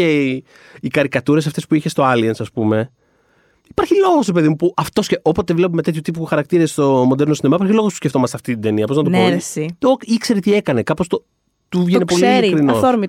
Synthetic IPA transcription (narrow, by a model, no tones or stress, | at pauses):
e | ikɐɾikɐt̪uɾe̞sɐft̪espuiçe̞st̪o̞ɐliɐnsɐspume̞ | i̥paɾçilo̞ɣosɾepe̞ðimupuʔɐft̪o̞sceʔo̞po̞t̪evle̞p̬omet̪et̪çut̪ip̬uxɐɾɐk̚t̪iɾest̪o̞mo̞nd̪e̞ɾno̞sinemɐipaɾçilo̞ɣospu̥sceft̪o̞mɐseɐft̪it̪id̪e̞niɐpoznɐt̪ooesioikse̞ɾet̪ie̞kɐne̞kɐpo̞st̪o | t̪uvʝenepoliiɾikɾinosoɾmi